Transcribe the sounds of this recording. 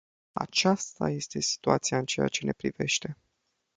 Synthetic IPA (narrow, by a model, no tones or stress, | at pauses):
a̰t͡ʃast̪aje̞st̪e̞si̥t̪uat̪sijaɨnt͡ʃe̞ja̰t͡ʃene̞pɾive̞̰ʃt̪e̞